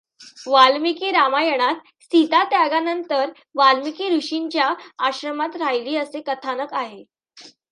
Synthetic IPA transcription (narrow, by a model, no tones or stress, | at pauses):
ʋalmikeɾamajəɽ̃at̪ | sit̪at̪jaɡanənt̪əɾ | ʋalmikeɾuɕiɲt͡ɕjaːɕɾəmat̪ɾajliːəsekət̪ʰanəkaɦe